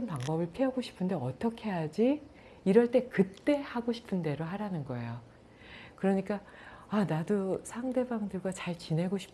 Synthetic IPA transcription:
npaŋbʌbɯɭpʰiaɡoɕʰi̥pʰɯnde̞ʌt͈ʌkʰe̞jad͡ʑi | iɾʌɭt͈e̞kɯt͈e̞haɡoɕʰi̥pʰɯnde̞ɾoɦaɾanɯnɡʌejo | kɯɾʌɲik͈a | anadosʰaŋde̞baŋdɯɭɡwat͡ɕaɭt͡ɕinɦe̞ɡoɕʰi̥p

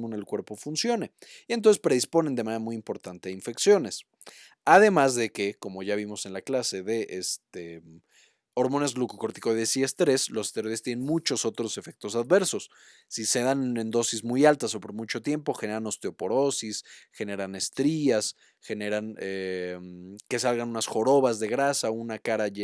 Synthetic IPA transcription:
mone̞lkwe̞ɾpo̞funsjo̞ne̞ient̪onsespɾe̞ðispo̞ne̞nd̪emane̞ɾamujimpo̞ɾt̪ant̪e̞aiɱfe̞ksjo̞ne̞s | að̞emazðe̞ke̞ko̞mo̞ʝaβ̞imo̞se̞nlaklase̞ðe̞ʔest̪e | o̞ɾmo̞nezlukoko̞ɾt̪ikoðesiest̪ɾe̞slose̥st̪eɾoest̪jenenmut͡ʃo̞so̞t̪ɾo̞se̞fe̞k̚t̪o̞saðβe̞ɾso̞sː | ise̞ðane̞nd̪o̞sizmujalt̪aso̞po̞ɾmut͡ʃo̞t̪je̞mpo̞xe̞ne̞ɾano̞st̪eo̞po̞ɾo̞sisxe̞ne̞ɾane̞st̪ɾias | xe̞ne̞ɾanemke̞salɣanunasxo̞ɾo̞βazðe̞ɣɾasaunakaɾaʝe

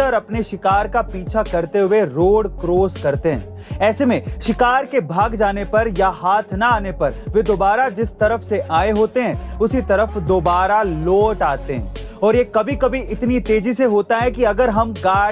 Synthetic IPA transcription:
əɾɐpneʃɪkaːɾkapiːt͡ʃʰakɐɾt̪eɦʊeɾoːɽkɾoːskɐɾt̪eɦɛ̰̃ː | ɛːsemẽʃɪkaːɾkebʱaːɡd͡ʒaːnepɐɾjaɦaːt̪ʰnaaːnepɐɾʋed̪oːbaːɾad͡ʒɪst̪ɐɾəfseʔaːeɦoːt̪eɦɛ̃ːʊsit̪ɐɾəfd̪oːbaːɾaloːʈaːt̪eɦɛ̰̃ːɔːɾjekɐbʱikɐbʱiʔɪt̪nit̪eːd͡ʒiseɦoːt̪aɦɛkiɐɡəɾɦɐmɡaː

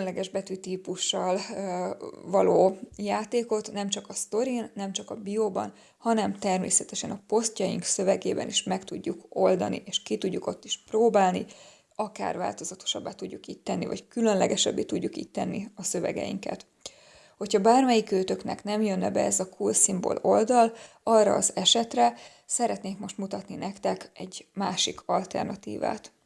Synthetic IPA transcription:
nlɛɡɛʒbɛt̪yt̪iːpuʃːɒl | vɒloːjaːt̪eːko̞t̪nɛmt͡ʃɒkɒst̪o̞ɾinːɛmt͡ʃɒkɒbiobɒ̰n | hɒnɛmt̪ɛrmḛːsɛt̪ɛʃɛnɒpo̞scɒjḭŋksø̞vɛɡeːbɛ̰niʃmɛkt̪uɟːuko̞ld̪ɒ̰nḭʔeːʃkit̪uɟːuko̞t̪ːiʃproːbaːlni | ɒka̰ːrva̰ːlt̪o̞zɒt̪o̥ʃɒbːaːt̪ːuɟːukiːct̪ɛnːivɒ̰ckylønlɛɡɛʃɛ̰bːet̪uɟːukiːc̚t̪ɛnːiɒsø̞vɛ̰ɡɛ̰jḭŋkɛ̰t̪ | ho̞chɒbaːrmɛjikøːt̪ø̞knɛ̰knɛmjønːɛbɛɛzɒkʰuːlsimbo̞̰lo̞ld̪ɒlɒrːɒ̰ːzɛʃɛt̪rɛ | sɛɾɛt̪neːŋkmo̞ʃt̪mut̪ɒt̪ninɛkt̪ɛkɛɟmaːʃikʰɒlt̪ɛ̰rnɒt̪ḭːva̰ːt̪

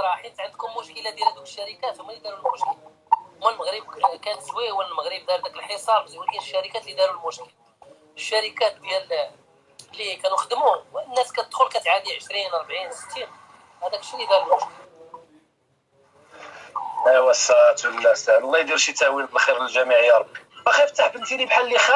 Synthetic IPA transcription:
ɾˤɑħint̪ʕənd̪kʊmːʊʃkəlad̪jælhæd̪uklʃːæɾəkæfəmːælid̪ɑɾulmʊʃkəla | mːælməɣɾəb̚kænswiwəllməɣɾəb̚d̪ɑɾd̪ækəlħesˤɑɾˤbzulæəʃːæɾəkæt̪lid̪ɑɾulmʊʃkəl | əʃːæɾəkæt̪̚b̪jæl | lːikænuxəd̪əmuwnːæskæt̪əd̪xʊlkæt̪ʕad̪iʕəʃɾinɑɾˤbʕinsə̥t̪ːin | hæd̪ækʃilid̪ɑɾəlmʊʃkəl | æwæsæt̪wənːæsænlˤːɑjd̪iɾʃit̪æwinbəlxiɾəlʒæmiʕəjːɑɾˤɑbːiʔæxæft̪ːaħbənt̪iɾibħalːixæ

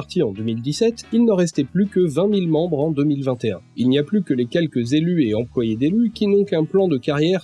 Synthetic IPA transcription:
ʁt̪iɑ̃d̪ømild̪isɛt̪ilnəʁɛst̪ɛplykəvɛ̃milmɑ̃bʁɑ̃d̪əmilvɛ̃t̪eɛ̰̃ilniaplykəlekʲɛlkəzelyeɑ̃plwajed̪elykʲinɔ̃kɛ̃plɑ̃d̪əkaʁjɛʁ

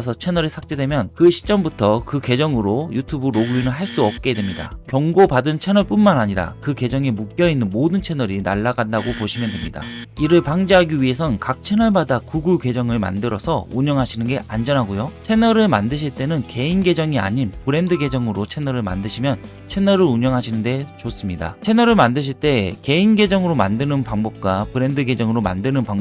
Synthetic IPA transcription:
sʰʌt͡ɕʰe̞nʌɾesʰak̚t͡ɕ͈e̞dwemjʌnkɯɕʰi̥t͡ɕ͈ʌmbutʰʌkɯke̞d͡ʑʌŋɯɾojutʰubɯɾoɡɯinɯnɦaɭs͈uʌp̚k͈e̞dwe̞mɲida̰kjʌŋɡopadɯnt͡ɕʰe̞nʌɭp͈unmanaɲiɾa̰kɯke̞d͡ʑʌŋe̞muk͈̚jʌinːɯnmodɯnt͡ɕʰe̞nʌɾina̰ɭːaɡandaɡopoɕʰimjʌndwe̞mɲida̰iɾɯɭpaŋd͡ʑeɦaɡiɥie̞s̬ʰʌnkak̚t͡ɕʰe̞nʌɭmadakuɡuke̞d͡ʑʌŋɯɭma̰ndɯɾʌsʰʌuɲʌŋɦaɕʰinɯnɡe̞and͡ʑʌnɦaɡojot͡ɕʰe̞nʌɾɯɭmandɯɕ̬ʰiɭt͈e̞nɯnke̞inɡe̞d͡ʑʌŋia̰ɲinpɯɾe̞ndɯɡe̞d͡ʑʌŋɯɾot͡ɕʰe̞nʌɾɯɭma̰ndɯɕʰimjʌn | t͡ɕʰe̞nʌɾɯɾuɲʌŋɦaɕʰinɯnde̞t͡ɕos͈ɯmɲida̰t͡ɕʰe̞nʌɾɯɭmandɯɕ̬ʰiɭt͈e̞ke̞inɡe̞d͡ʑʌŋɯɾomandɯnɯnpaŋbʌp̚k͈wapɯɾe̞ndɯɡe̞d͡ʑʌŋɯɾoma̰ndɯnɯnpaŋ

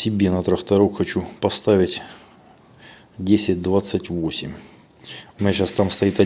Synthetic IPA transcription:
sʲɪbʲenət̪ɾəxt̪ɐɾokxɐt͡ɕupɐst̪aʋʲɪtʲ | dʲesʲɪt̚ʲd̪vat̪sːɨtʲvo̞sʲɪ̰mʲ | ʊmʲnʲaɕast̪amst̪ɐit̪ɐ

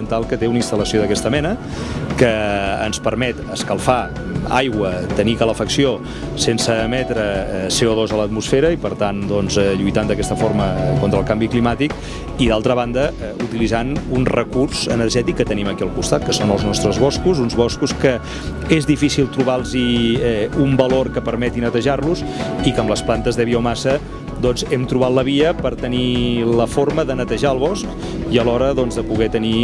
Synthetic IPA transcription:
ənt̪alˠkət̪eunəinst̪ələsioðəkɛst̪əmɛnə | kəːnspəɾmɛt̪əskəlˠfa | a̰jɣwət̪ənikələfəksio | sensəmɛt̪ɾəseɔðozələt̪musfɛɾəipəɾt̪and̪ɔnzɛʎujt̪and̪əkɛst̪əfoɾməkont̪ɾəlˠkambiklimat̪ik | iðalˠt̪ɾəβand̪ə | ut̪ilizanunrəkurz̥ənərʒɛt̪ikːət̪əniməkiəlˠkust̪at̪̚kəsonəlˠznɔst̪ɾəzβɔskuzunzβɔskuskə | ezðifisilˠt̪ɾuβalˠziɛumbəloɾkəpəɾmɛt̪inət̪əʒarluzikəmləsplant̪əzðəβiomasə | d̪ɔnzɛmt̪ɾuβat̪ləβ̞iəpəɾt̪əniləfoɾməðənət̪əʒaəlˠβɔsk | iəlɔɾəðɔnzðəpuɣɛt̪əni

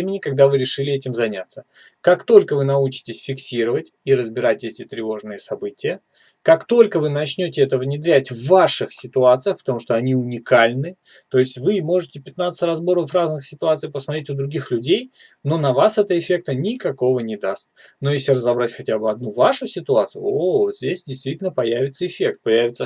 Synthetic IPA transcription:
emʲɪnʲɪkɐɡ̚d̪avɨɾʲɪʂɨlʲɪɛtʲɪmzɐnʲa̰t̪sːə | kakt̪o̞lʲkəvɨnɐut͡ɕɪ̥tʲɪsʲfʲɪksʲiɾəvətʲiɾəzbʲɪɾatʲetʲɪt̪ɾʲɪvo̞ʐnɨjəsɐbɨtʲɪjə | kakt̪o̞lʲkəvɨnɐt͡ɕnʲotʲɪɛt̪əvnʲɪd̪ɾʲætʲvːaʂɨxsʲɪt̪ʊat̪sɨjəxpə̥t̪ɐmuʂt̪o̞ɐnʲiʊnʲɪkalʲnɨ | t̪o̞ɪsʲtʲvɨmo̞ʐɨtʲɪpʲɪt̪nat̪sə̥ɨtʲrɐzbo̞ɾəvəfraznɨxsʲɪt̪ʊat̪sɨipəsmɐt̪ɾetʲʊd̪ɾʊɡʲixlʲʉdʲejno̞nɐvasɛt̪əɪfʲe̞k̚t̪ənʲɪkɐko̞vənʲɪd̪ast̪̚ | no̞jesʲlʲɪrəzɐbɾatʲxɐtʲabɨɐd̪nuvaʂʊsʲɪt̪ʊat̪sɨjʊ̰ovzʲdʲesʲdʲɪjst̪vʲitʲɪlʲnəpɐjævʲɪt̪səɪfʲe̞k̚t̪̚pɐjævʲɪt̪sə

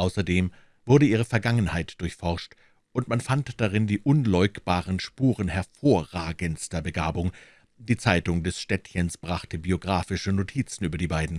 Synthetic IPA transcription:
ʔaʊsɐdeːm | v̥ʊɐɾəʔiːʁ̞əfɛɐɡaŋənhaɪtd̥ʊɐçfɔʁʃt | ʔʊntmanfantd̥aʁɪndiːʔʊnlɔʏkb̥aːʁənʃpuːʁənhɛɐfoːɐʁaːɡənstɐbəɡaːbʊŋ | d̥iːt͡saɪtʊŋdɛsʃtɛtçənsb̥ʁaχtəbioɡʁaːfɪʃənotʰiːt͡sn̩ʔyːbɐdiːbaɪdn̩

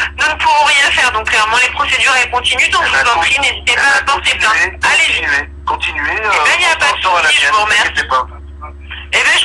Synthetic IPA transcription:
nunupuvɔ̃ʁjɛ̃fɛʁd̪ɔ̃kːlɛʁmɑ̃lepχɔsed̪yʁɛkɔ̃t̪inyd̪ɔ̃kʒavapχinezit̪epaapɑ̃ʁsiblɛ̃alezie | kɔ̃t̪inyeebɛ̃iljapad̪əsuʁiəmɔ̃mɛʁɛpa | ebɛ̃ʒ

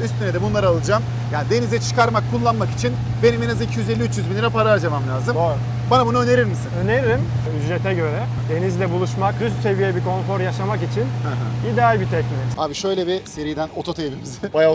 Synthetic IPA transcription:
yst̪ʰyned̪ɛbunlˠaɾalˠɯd͡ʒam | jaːnid̪e̞nizɛt͡ʃʰɯ̥kaɾmakʰːulˠːanmaki̥t͡ʃʰin | be̞niminazicʰijyze̞lʲːiyt͡ʃjyzbilʲiɾɛpaɾad͡ʒamamlʲaːzɯmo | banabunaøne̞ɾiɾmisinøneɾiɾim | yzɾet̪ʰɛɟø̞ɾɛ | d̪e̞nizlʲɛbulˠuʃmakɾyst̪se̞vijɛbikʰo̞nfo̞ɾjaʃamakit͡ʃʰinhãɦãid̪ealʲbit̪ʰɛcmeaːbiʃø̞jlʲɛbise̞ɾijd̪æno̞t̪ʰo̞t̪ʰevimizɪaja

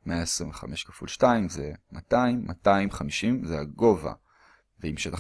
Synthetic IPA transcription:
meaesʁĩɱveχame̞ʃkḁfṵlʃtaimzemataimːataimχamiʃimzeaɡo̞va̰ | veimʃeta

